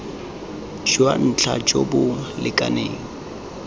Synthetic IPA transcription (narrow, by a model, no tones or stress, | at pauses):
t͡ʃʰiwa̰n̩t͡ɬʰa̰t͡ʃʼobʊlɪkʼaneːŋ̩